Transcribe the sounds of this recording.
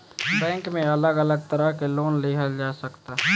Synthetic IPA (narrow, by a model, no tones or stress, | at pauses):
bɛ̃ːŋkmẽɐləɡələɡ̚t̪əɾəɦkeloːnliɦəd͡ʒaːsəkt̪aː